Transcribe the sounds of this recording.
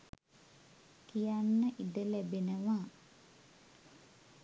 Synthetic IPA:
kijanːəʔid̪əlæbinəʋa

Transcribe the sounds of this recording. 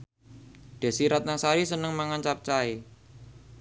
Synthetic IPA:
ɖ̪̥e̤siɾat̪̚nasaɾisənəŋmaŋant͡ʃap̚t͡ʃae

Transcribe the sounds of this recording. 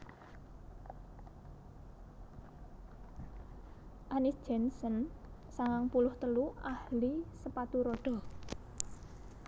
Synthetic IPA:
ʔanɪsd̥d͡ʒ̥ɛnsənsaŋaŋpulʊht̪əluʔahlisəpat̪uɾoɖ̥ɔ̤

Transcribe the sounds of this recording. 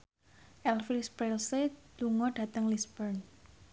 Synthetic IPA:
ʔɛlfiɾspɾelset̪uŋɔɖ̥a̤t̪əŋlisbərn

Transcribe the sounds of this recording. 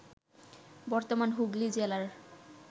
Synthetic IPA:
bɔɾt̪omanɦuɡlid͡ʑelaɾ

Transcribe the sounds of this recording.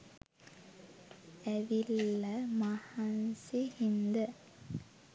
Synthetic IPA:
æʋilːɐmahansihind̪ə

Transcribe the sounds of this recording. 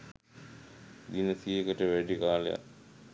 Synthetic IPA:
d̪inəsiːekəʈəʋæɖikaːlḛja̰k

